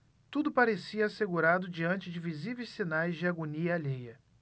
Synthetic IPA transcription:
t̪ud̪ʊpaɾesiɐːseɡuɾad̪ʊd͡ʒiɐ̃nt͡ʃɪd͡ʒɪvizivejsinajzd͡ʒɪaɡoniɐaʎejɐ

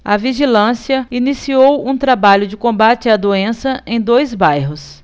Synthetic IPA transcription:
ɐviʒilɐ̃siɐinisiowũt̪ɾabaʎʊd͡ʒɪkõbat͡ʃɪɐd̪oẽsɐʔẽj̃d̪ojzbajɦʊs

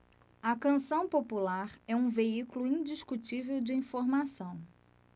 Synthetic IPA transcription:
ɐkɐ̃sɐ̃w̃populaɾɛũveikulʊĩd͡ʒiʃkut͡ʃivewd͡ʒɪĩfoɾmasɐ̃w̃

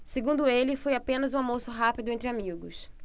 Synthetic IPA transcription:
seɡũnd̪ʊelɪfojapẽnɐzũamosʊɦapid̪ʊẽnt̪̬ɾɪamiɡʊs

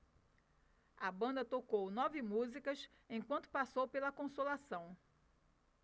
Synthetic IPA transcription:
ɐbɐ̃nd̪ɐt̪okownɔvɪmuzikɐs | ẽj̃kwɐ̃nt̪ʊ̥pasowpelɐkõsolasɐ̃w̃

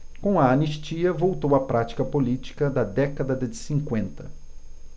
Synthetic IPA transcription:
kõw̃ɐɐniʃt͡ʃiɐvowt̪owɐpɾat͡ʃi̥kɐpolit͡ʃi̥kɐd̪ɐd̪ɛkɐd̪ɐd̪ɐd͡ʒɪsĩŋkwẽnt̪ɐ

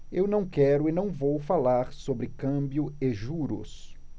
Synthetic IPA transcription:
ewnɐ̃w̃kɛɾʊɪnɐ̃w̃vowfalaɾsobɾɪkɐ̃bjʊeʒuɾʊ̰s

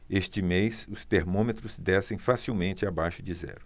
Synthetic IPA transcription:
eʃt͡ʃɪmejsʊst̪eɾmõmet̪ɾʊzd̪ɛsẽj̃fasiwmẽnt͡ʃɪabajʃʊd͡ʒɪzɛ̰ɾʊ

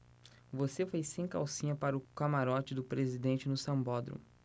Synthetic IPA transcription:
vosefojsẽj̃ka̰wsĩɲɐpaɾʊkamaɾɔt͡ʃɪd̪ʊpɾezid̪ẽnt͡ʃɪnʊsɐ̃bɔd̪ɾʊ̰̃

